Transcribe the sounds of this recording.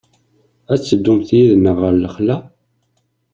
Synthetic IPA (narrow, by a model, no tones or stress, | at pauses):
æt͡sːəd̪ːumθjiðnəʁəɾləχlæ